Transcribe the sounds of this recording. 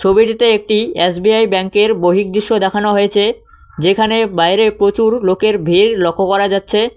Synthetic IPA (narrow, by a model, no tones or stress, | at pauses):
t͡ɕʰobiʈit̪eek̚ʈiesbiajbɛŋkeɾboɦik̚d̪ɾiʃːod̪ɛkʰanoɦojet͡ɕʰe | d͡ʑekʰanebajɾepɾot͡ɕuɾlokeɾbʱiɾlɔkʰːokɔɾad͡ʑatːɕʰe